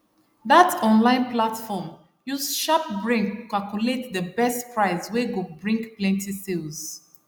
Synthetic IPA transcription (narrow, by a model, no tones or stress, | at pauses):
ðatɔ̃nlãɪ̃nplatfɔm | juzʃap̚bɹĩŋktukalkjuletðəbɛstpɹaɪsweɡobɹĩŋkplɛ̃ntʰisilz̥